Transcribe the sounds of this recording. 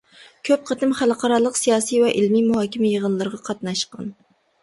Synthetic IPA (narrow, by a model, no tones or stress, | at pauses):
kʲʰøp̚qʰət̪ɪmχælˠqʰɑɾɑlˠəqsijɑːsijvɛʔɪlmimuɦɑːkʲɪmɪjəʁənlˠɨɾəʁɑqʰɑt̪nɑʃqɑ̰n